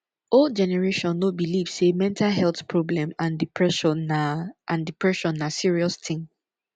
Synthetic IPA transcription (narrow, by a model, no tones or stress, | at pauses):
olˠd̚d͡ʒɛnɛɹeʃɔ̃nːobiliv̥semɛ̃ntʰalɦɛlθpʰɹɔblɛ̃mãndipɹɛ | ʔãndipɹɛʃɔ̃nːasiɹiɔst̪ʰɪ̃ŋ